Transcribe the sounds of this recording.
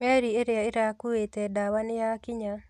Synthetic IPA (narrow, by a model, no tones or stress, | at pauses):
mɛɾieɾeaeɾakuetɛdawanɪjakɪɲa